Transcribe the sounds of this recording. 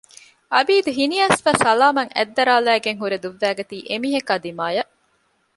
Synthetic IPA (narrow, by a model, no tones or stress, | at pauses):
ʔɐbiːd̪uɦiniɐsʋɐsɐlaːmɐŋæ̰d̪ːɐɾaːlæːɡeŋɦuɾed̪uʋːæːɡɐt̪iːʔemiːɦɐkaːd̪imaːjɐʔ